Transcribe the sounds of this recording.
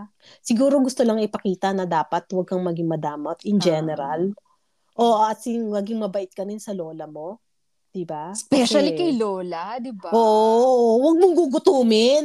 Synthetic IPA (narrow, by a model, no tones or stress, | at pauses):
sɪɡuːɾo̞ɡʊst̪olɐŋɪpɐkiːt̪ɐnɐd̪aːpɐt̪wɐɡ̚kɐŋmɐɡɪŋmɐd̪aːmɐt̪ɪnd͡ʒɛnɛɾal | ʔoʔɐt̪sɪŋmɐɡiŋmɐbɐʔɪt̪̚kɐnɪnsɐlo̞ːlɐmo̞ | d̪̥ɪbaspɛʃɐlikɐjloːlad̪ɪbʔoːʔoʔwɐɡ̚mʊŋɡuɡʊt̪uːmɪn